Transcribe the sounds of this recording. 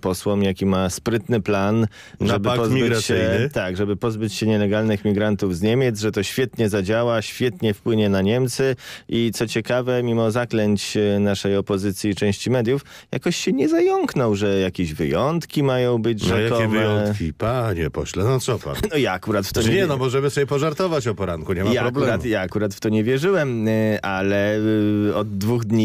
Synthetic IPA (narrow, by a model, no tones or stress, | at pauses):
pɔswɔmjakʲimaspɾɘt̪nɘplan | ʐɛbpɔzmʲibɾaɕɛnt̪aɡʐɛbɘpɔzbɘt͡ɕɕɛɲɛlɛɡalnɘxmʲiɡɾant̪uvzɲemʲjɛd̪zʐɛt̪ɔɕfʲjɛt̪ɲɛzad͡ʑawaɕfʲjɛt̪ɲɛfpwɘɲɛnaɲɛmt̪sɘʔit̪sɔt͡ɕɛkavɛmʲimɔzaklɛɲt͡ɕnaʂɛjɔpɔzɘt̪sʲjit͡ʂɛ̃w̃ɕt͡ɕimɛd̪ʲjuf | ja̰kɔɕɕɛɲɛzajɔŋknɔwʐɛjakʲeʑvɘ̰jɔnt̪kʲimajɔ̃w̃bɘd͡ʑʐajkaɔɛvvjɛɔnkʲḭpaɲɛpɔ̰ɕlɛnɔsɔpa̰nɔjaːkuɾat̪ft̪ɔɲɛnɔmɔʐɛmɘsɔjʲɛpɔʐaɾt̪ɔvat͡ɕɔpɔɾaŋkuɲɛmajaɾblɛɾat̪jaːkuɾat̪ft̪ɔɲɛvʲjɛʐɘwɛmʔalɛ | ɔd̪ːvuɣd̪ɲi